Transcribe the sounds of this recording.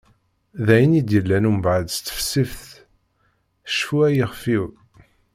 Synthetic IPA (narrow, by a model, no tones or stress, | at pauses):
ðæjənid̪jəlːænumbʕəd̪st̪ːə̥fsifθ | ʃfuæjiʁfiw